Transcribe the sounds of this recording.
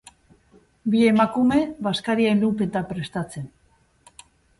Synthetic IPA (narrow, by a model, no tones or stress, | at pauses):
bie̞makume̞βaskaɾiaenlupet̪apɾe̞st̪at͡se̞n